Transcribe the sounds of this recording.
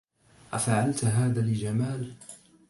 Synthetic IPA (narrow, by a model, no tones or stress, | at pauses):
ʔafaʕalt̪ɦaːðaːlɪd͡ʒamaːl